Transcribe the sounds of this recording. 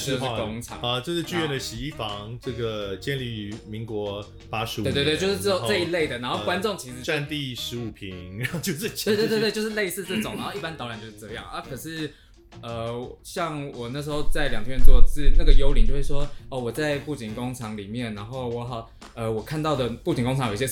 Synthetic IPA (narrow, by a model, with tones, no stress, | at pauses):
o˥˧˥ko˦˥ŋʈ͡ʂʰɑ̰˨˦ə˧t͡ɕjo˥˧ʂɻ̩˥˧t͡ɕy˥˧ɥɛ˥˩nd̪ə˩ɕi˨˩i˥˩fɑ˧˦ŋʈ͡ʂɤ˥˩ɡə˩t͡ɕjɛ˥˧nli˥˩y˨˧˥mi˧˥ŋkwɔ˧˥˦ | pa˦˥ʂɻ̩˧˥e˥˧t̪t̪jo˥˧ʊʂɻ̩˥t͡st͡sə˥˧˩i˧˥le˥˩ɪd̪ə˩na˧˥nxo˥˧kwa˦nt͡so˥˨˩ŋt͡ɕʰi˧˥ʂɻ̩˧˩a˥˧nt̪i˥˨ʂɻ̩˧˥u˨˩pʰi˨˥ŋ˨˦o˥˧t͡ɕjo˥˧ʊʂɻ̩˥˧˥t̪t̪wt̪̬jo˥˧ʊʂɻ̩˥˧le˥˧ɪsɹ̩˥˧t͡sɤ˥˩ʈ͡ʂŋna˨˧˦xo˥˧ʊi˥pa˦˥nt̪ɑ˥ʊɻa˨˩nt͡ɕjʊʂ̩˥˧˩ʈ͡ʂɤ˥˧jɑ˥˩ŋ˩a˥˩kʰɤ˨˩ʂɻ̩˥˧ | ə˧˩˨ɕjɑ˥˩ŋwɔ˨˩na˥˩ʂ̬̩˧˥xo˥˧ʊt͡sa˥˩ɪljɑ˨˩ŋt̪ʰɥɛ˥˧nt͡st͡sɹ̩˥˩na˥˩ɡə˩jo˧˥ʊli˨˩nt͡ɕo˥˧ʊʂɻ̩˥˩ʂwɔ˥ɔ˥˩wɔ˨˩t͡sa˥˧ɪpu˥˩t͡ɕi˨˩ŋkʊ˦˥ŋʈ͡ʂʰɑ˧˥ŋli˨˩mjɛ˥˩nna˧nxo˥˩ʊwɔ˧˦˥xɑ˨˩ʊ | ə˧wɔ˨˩kʰa˥˧nt̪ɑ˥˩ʊd̪ə˩pu˥˩t͡ɕi˨ŋko˥ŋʈ͡ʂʰɑ˧˦ŋji˩j